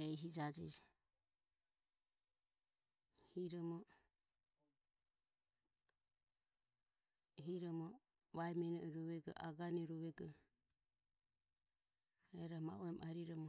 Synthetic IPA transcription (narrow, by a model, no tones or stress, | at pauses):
ɛjɦid͡ʒad͡ʒɛd͡ʒ | hiɾɔmɔ | ɦiɾɔmɔ | βajmɛnɔʔɛɾɔβɛɡɔ̰ʔaɡanɛɾuβɛɡɔ | ɾɛɾama̰uɛmaɾiɾɔmɔ